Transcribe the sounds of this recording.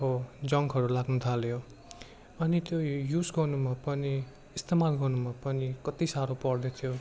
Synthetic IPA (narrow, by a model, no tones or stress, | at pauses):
od͡zʌŋɡɦʌɾulaɡnut̪ʰaljo | ʌnit̪jojud͡zɡʌrnumapʌni | ist̪emalɡʌrnumapʌnikʌt̪isaɾopʌrd̪et̪ʰjo